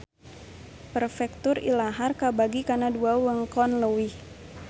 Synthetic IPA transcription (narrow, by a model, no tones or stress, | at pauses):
pərfɛk̚t̪ʊrḭlaɦarkabaɡikanaduawəŋkɔnləwi